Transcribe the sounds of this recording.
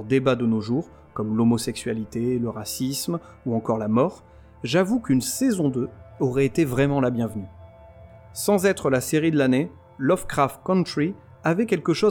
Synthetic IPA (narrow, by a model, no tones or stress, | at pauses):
d̪ebad̪ənoʒuʁ | kɔmlomɔsɛksɥalit̪eləʁasism | uɑ̃kɔʁlamɔʁ | ʒavukynsɛzɔ̃d̪øɔʁɛet̪evʁɛmɑ̃labjɛ̃vny | sɑ̃zɛt̪χəlaseʁid̪əlane | lɔfkχaft̪kɔ̃nt̪χi | avɛkʲɛlkəʃo